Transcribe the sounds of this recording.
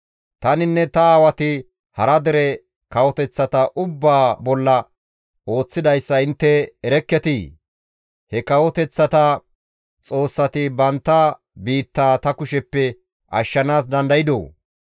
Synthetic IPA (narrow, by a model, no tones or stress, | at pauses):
t̪ɐnɪnːɛt̪ɐaːwɐt̪ɪ | hɐɾɐd̪ɛɾɛ | kɐwɔt̪ɛt͡sːɐt̪ɐʔʊbːaːbɔlːɐ | o̞ːt͡sːɪd̪ɐjsːɐɪnt̪ːɛːɾɛkːɛt̪ɪ | hɛkɐwɔt̪ɛt͡sːɐt̪ɐ | t͡sʼo̞ːsːɐt̪ɪbɐnt̪ːaː | biːt̪ːaːt̪ɐkʊʃɛpːɛ | ʔɐ̰ʃːɐnaːs̬d̪ɐnd̪ɐjɪd̪o̰ː